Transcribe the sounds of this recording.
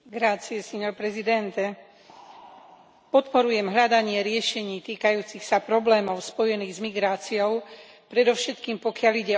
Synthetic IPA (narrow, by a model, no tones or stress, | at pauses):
ɡɾaːt͡siɛsɛɲɔɾpɾɛzid̪ɛnt̪ɛ | pɔt̪pɔɾujɛmɦʎad̪aɲɪɛɾɪɛʃɛɲiːt̪iːkajuːt͡sixsapɾɔblɛːmɔʊspɔjɛniːɣzmiɡɾaːt͡siɔʊ | pɾɛd̪ɔʊʃɛt̪kiːmpɔkɪaliɟɛ